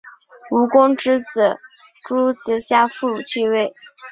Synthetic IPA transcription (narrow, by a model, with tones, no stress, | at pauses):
u˧˥kʊ˥ŋʈ͡ʂɻ̩˥t͡sɹ̩˨˩ | ʈ͡ʂu˥lu˥˩ɕɛ˧˥ɕja˥fu˥˩u˨˩t͡ɕʰy˥˧we˥˩ɪ